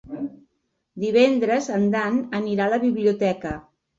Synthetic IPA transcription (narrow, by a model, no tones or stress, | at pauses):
d̪iβ̞ɛnd̪ɾəzənd̪anəniɾaləβiβliut̪ɛkə